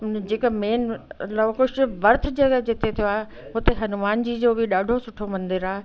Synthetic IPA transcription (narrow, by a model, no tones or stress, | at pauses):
ʊnd͡ʑeːkəmeːnlakʊʃɪʋɐɾt̪̆ʰd͡ʑɐɡəɦd͡ʑɪt̪ʰet̪ʰijoaːɦe | ɦʊt̪eɦɐnʊmaːnd͡ʑiːd͡ʑoːbɪɗaːɖʱosʊʈʰomɐ̃nd̪ɪɾaːɦ